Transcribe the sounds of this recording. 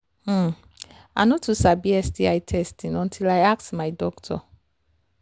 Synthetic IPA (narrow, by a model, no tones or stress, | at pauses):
m̩ | a̰nũtʰusabiɛsdiajtʰɛstĩnɔ̃ntʰilajak̚tmãɪdɔktʰɔ̰